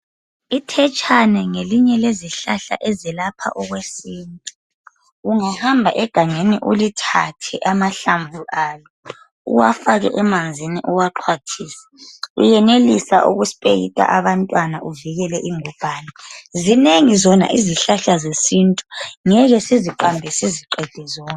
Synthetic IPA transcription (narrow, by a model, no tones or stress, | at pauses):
itʰɛt͡ʃʼʰanɛŋeliɲɛleziɬaɬa̰ʔɛzilapʰa̰ʔɔɣwesiːntʼu | uŋahambʱaʔɛɡ̥ʱaŋeniʔulitʰatʰɛʔamaɬambʱuʔaːlɔ | ṵwafaɣɛ̰ʔɛmand͡zʱiniʔuwaǃʰwatʰiːsḁṵjɛnelisa̰ʔṵɣuspʼejḭtʼa̰ʔaβantʼwanaʔuviɣɛlɛʔiŋub̥ʱaːnazineŋizɔna̰ʔiziɬaɬazesintʼu̥ŋɛɣɛsiziǃambʱɛsiziǃɛd̥ʱɛzɔːn